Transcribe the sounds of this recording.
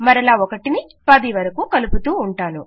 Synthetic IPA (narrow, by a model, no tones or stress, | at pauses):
mɐɾɐlaːɔkɐʈini | pɐd̪iʋɐɾɐkukɐluput̪uːɳʈaːnu